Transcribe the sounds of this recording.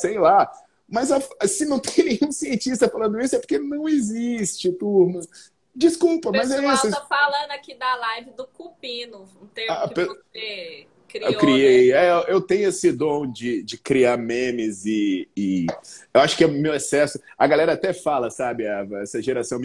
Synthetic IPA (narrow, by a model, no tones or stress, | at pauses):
sejla | mɐzafsɪnɐ̃w̃t̪ẽj̃nẽɲ̃ũsiẽnt͡ʃist̪ɐfalɐ̃nd̪ʊisʊɛpo̥ɾkenɐ̃w̃ezist͡ʃɪt̪uɾmɐ̃ | d͡ʒiskuwpɐmɐzɛisʊɐfalɐ̃d̪ʊɐakid̪ɐlajvɪd̪ʊkupĩnʊũt̪ẽapese | kɾiewkɾiejɛʔewt̪ẽɲʊesɪd̪õw̃d͡ʒɪd͡ʒɪkɾiaɾmẽmɪzɪː | ewaʃʊ̥kɪɛmewesɛsʊɐɡalɛɾɐat̪ɛfalɐsabɪaɛ̰sɐʒeɾasɐ̃w̃m